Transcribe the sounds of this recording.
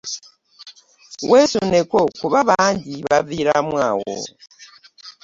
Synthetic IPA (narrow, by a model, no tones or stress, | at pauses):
wʔesunekokuβaβaːɲɟiβaviɾamwaːwo̰